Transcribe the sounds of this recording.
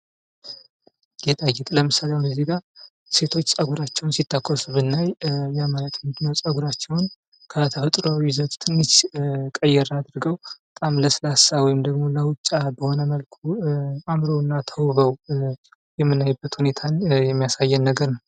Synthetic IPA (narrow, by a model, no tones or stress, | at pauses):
jɛt̪ʼajɛt̪ʼləmɨsalewunəziɡa | se̞t̪ʰo̞t͡ʃːsʼəɡuɾat͡ʃːɛwnsit̪ːəkʼːosbɨnːajjamajət̪ʰmd̪nəwsʼəɡuɾat͡ʃːɛwn | kʰət̪ʰəfət̪ʼɾawizət̪ʼt̪ʰɨnːɨt͡ʃkʼəjːɛɾad̪ɾɡəwbət̪ʼamləsɨlasawɔjɪmd̪əɡmo̞ləwʊt͡ʃʼːabəho̞nəməlkʰuamɾowɨnːat̪ʰəwβəw | jɛmːɨnːajbːət̪hune̞t̪ʰanjɛmːijasajːɛnːəɡəɾnəw